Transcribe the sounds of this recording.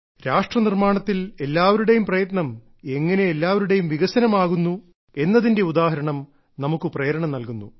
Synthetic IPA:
ɾaːʂʈrɐnirmaːɳɐt̪ːile̞lːaːʋɐɾuɽe̞jumprɐjɐt̪nɐm | eŋːɐne̞elːaːʋɐɾuɽe̞jumʋiɣɐsɐnɐmaːɣunːu | e̞nːɐðinde̞ud̪aːhɐɾɐɳɐm | nɐmukːɨprejɐɾɐɳɐmnɐlkunːṵ

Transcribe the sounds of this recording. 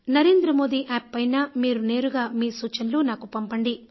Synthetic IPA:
nɐɾeːnd̪ɾɐmo̞ːd̪iʔaːpːɐjnaːmiːɾune̞ːɾuɡaːmiːsuːt͡ʃɐnluːnaːkupɐmpɐɳɖi

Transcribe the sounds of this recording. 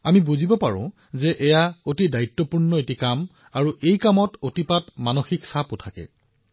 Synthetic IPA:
amibuzibɔpaɹʊ̰̃ | zɛʔɛjaotidaitːɔpuɹnɔetikam | aɹuʔejkamɔtotipatmanoxiksapʊtʰakɛ̰

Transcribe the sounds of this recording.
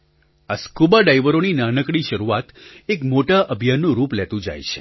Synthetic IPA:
askubaɖajʋəɾoninanəkɽ̃iʃəɾuat̪ekmoʈaʔəbʱjanːũɾuplɛt̪ũd͡ʒa̰jt͡ʃʰe̥̰

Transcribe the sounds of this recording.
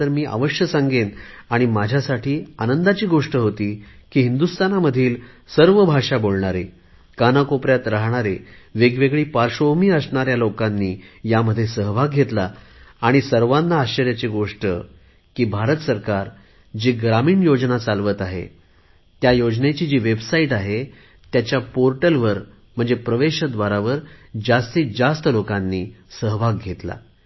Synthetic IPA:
əɾmiːʔa̰ʋəʂjəsãŋɡenaɽ̃imad͡ʑʱjasaʈʰiːanənd̪at͡ɕiːɡoʂʈəɦot̪iːkiːɦind̪ust̪ʰanaməd̪ʱiːl | səɾʋəbʱaʂabolɳaɾe | kanakopɾjat̪ɾaɦɳaɾeʋeɡʋeɡɭiːpaɾʂoɦmiːəsɳaɾjalokanːiːjaməd̪ʱːjesəɦbʱaɡɡʱet̪laːɽ̃isəɾʋanːaːɕəɾjat͡seɡoʂʈə | kiːbʱaɾət̪səɾkaɾ | d͡ʑiːɡɾamiːɳjod͡znat͡salʋət̪aɦḛ | t̪jajod͡znet͡ɕiːd͡ʑiːʋebsaiʈaɦe | t̪jat͡ɕjapoɾʈəlʋəɾ | m̤əɳd͡zepɾəʋeɕəd̪ʋaɾaʋəɾd͡ʑast̪iːd͡zast̪əlokãnːiːsəɦbʱaɡɡʱet̪la̰

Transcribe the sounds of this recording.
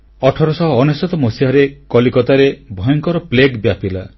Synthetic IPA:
ɔʈʰɔɾɔsɔɦɔːnesɔt̪ɔmosiɦaɾekɔlikɔt̪aɾebʱɔjɔŋkɔɾɔpleɡbjapila

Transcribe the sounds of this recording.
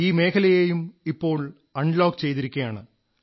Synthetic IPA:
iːme̞ːkʰɐlɐjejumipːo̞ːɭ | ɐɳɖloːkt͡ɕe̞jt̪iɾikʲːɐjaːɳɨ

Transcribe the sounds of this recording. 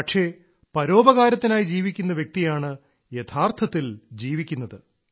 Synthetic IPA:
pɐʈʂe̞ | pɐɾo̞ːbɐɣaːɾɐt̪ːinaːjid͡ʑiːʋikʲːunːɐʋjek̚t̪ijaːɳɨ | jet̪ʰaːrt̪ʰɐt̪ːild͡ʑiːʋikʲːunːɐðɨ

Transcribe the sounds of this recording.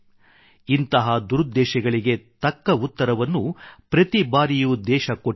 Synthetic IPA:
int̪ɐɦɐd̪uɾud̪ːɛːʃɛɡɐɭiɡe̞t̪ɐkːɐut̪ːɐɾɐʋɐnːupɾɐt̪ibaːɾijud̪ɛːʃɐko

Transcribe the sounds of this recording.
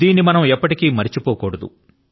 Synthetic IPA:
iːnːimɐnɐmɛpːɐʈikiːmɐɾit͡ʃipoːkɔːɽɐd̪ṵ

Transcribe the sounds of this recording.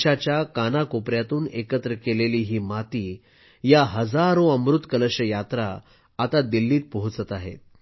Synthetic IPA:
at͡ɕjakanakopɾjat̪uːnekət̪ɾəkeleliːɦiːmat̪iː | jaɦəd͡zaɾõəmɾut̪kələɕəjat̪ɾaː | t̪ad̪ilːiːt̪̚pəɦut͡sət̪aɦḛt̪̚

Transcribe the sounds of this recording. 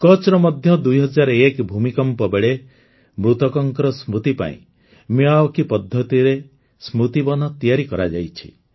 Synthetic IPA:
kɔt͡ʃɾɔmɔd̪ʱjɔd̪ujɦɔd͡ʒaɾɔekbʱumikɔmpɔbeɭe | mɾut̪ɔkɔŋkɔɾɔsmut̪ipa̰ḭ̃ | muaɔkipɔd̪ʱːɔt̪iɾe | smɾut̪ibɔnɔt̪ijaɾikɔɾa̰d͡ʒa̰jt͡ʃʰi̥̰

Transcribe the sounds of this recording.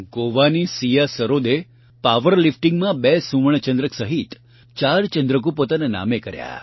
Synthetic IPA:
ɡoʋanisijasəɾod̪e | paʋəɾlifʈiŋɡmãbɛsũʋəɳ̃t͡ʃə̃nd̪ɾəksəɦit̪ | t͡ʃaɾt͡ʃənd̪ɾək̬ũpot̪anena̰mekəɾja̰

